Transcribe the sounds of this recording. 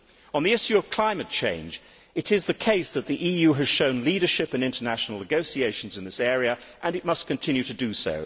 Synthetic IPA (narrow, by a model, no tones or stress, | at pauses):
ə̃nðiɪʃjʉʌv̥kʰl̥ãɪ̃mɨt̚t͡ʃʰẽɪ̃nd͡ʒ | ɨɾɪzðɨkʰeɪsðɨt̪̚ðiʔijʉɨz̥ʃõʊ̃nliɾə˞ʃɪpɨ̃nɪ̃ntənæʃn̩l̩ˠnɨɡoʊsieɪʃn̩zɨ̃nðɪsɛɹiɨʔɨ̃nɨt̚mʌskɨ̃n̩tʰɪ̃njʉɾɨdɨso̰ʊ